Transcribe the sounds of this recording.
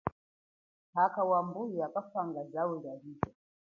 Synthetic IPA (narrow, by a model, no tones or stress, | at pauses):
hakawambujiakafaŋɡazawɛɾavitɔ